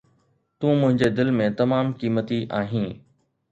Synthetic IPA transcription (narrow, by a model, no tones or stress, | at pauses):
t̪ũːmʊ̃ɦɪ̃ɲd͡ʑed̪ɪlmẽt̪ɐmaːmkiːmət̪iʔaːɦĩː